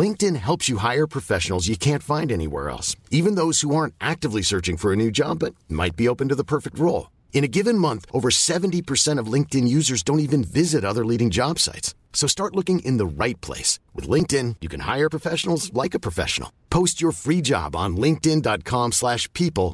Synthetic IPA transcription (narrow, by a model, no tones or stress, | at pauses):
lɪ̃ŋk̚tɨ̃nɦɛlˠpsjɨɦaɪə˞pʰɹ̥ɨfɛʃn̩l̩ˠzjɨkʰæ̃ntfãɪ̃ndɛñḭwɛ̰ɹɛ̰lˠsivɨ̃nðoʊz̥huɑɹntʔæk̚tɨvlisɜ˞t͡ʃɪ̃ŋfə˞ɨnʉd͡ʒɑbʌt̚ma̰ɪt̚b̥ioʊpɨ̃n̩tɨðəpʰɜ˞fɨk̚t̚ɹoʊlˠ | ɨ̃ñɨɡɪvɨ̃nmʌ̃nθʔoʊvə˞sɛvɨ̃ntipʰə˞sɛ̃ɾ̃ʌvlɪ̃ŋk̚tɨ̃njʉzə˞zdõʊ̃ntivɨ̃nvɪzɨɾʌðə˞liɾɪ̃ŋd͡ʒɑb̥sa̰ɪtsːoʊstɑɹtˡlʊkɪ̃ŋʔɪ̃nðəɹaɪt̚pʰl̥ḛɪswɨ̰ðlɪ̃ŋk̚tɪ̃njɨkʰɨ̃nha̰ɪə˞pʰɹ̥əfɛʃn̩l̩ˠzlaɪkɨpʰɹ̥ɨfɛ̰ʃn̩l̩ˠpʰoʊst͡ʃə˞fɹid͡ʒɑ̰b̃n̩lɪ̃ŋk̚tɪ̃ndɑt̚kʰɑ̃mslæʃpʰipəl̩ˠ